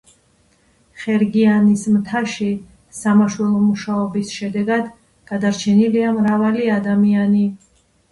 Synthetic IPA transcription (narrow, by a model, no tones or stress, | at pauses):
χɛɾɡianismt̪ʰaʃi | samaʃwɛlˠɔmuʃaɔbisʃɛd̪ɛɡad̪ | ɡ̥ad̪aɾt͡ʃʰɛniliamɾavaliad̪amiani